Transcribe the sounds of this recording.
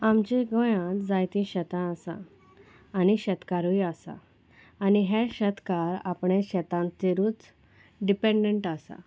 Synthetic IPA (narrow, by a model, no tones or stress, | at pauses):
amt͡ɕeɡɔ̃jãt̪d͡zajt̪ĩɕɛt̪ãəsã̰ː | niɕɛt̪kaɾujasa̰ː | niɦeɕət̪kaɾa̰pɳeɕɛt̪ãnt̪eɾuːt͡s | ɖipẽɳɖeɳʈasa̰